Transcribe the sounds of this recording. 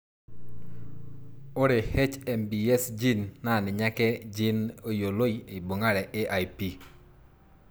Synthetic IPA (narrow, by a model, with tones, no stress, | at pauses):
o˦ɾe˨hɛ˦t͡ʃɛ˨mbi˨ɛ˦sd͡ʒi˦nːa˦˨nɪ˨ɲa˦kɛ˦d͡ʒi˦no˦jo˨lo˦i˦e˨bo˨ŋa˦ɾɛ˨ʔe˦ʔa˨jpi˦